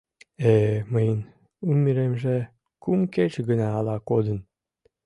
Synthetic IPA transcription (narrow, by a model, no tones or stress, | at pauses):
eməjən | umʲiɾemʒe | kumket͡ɕɡənɑːlɑkod̪ən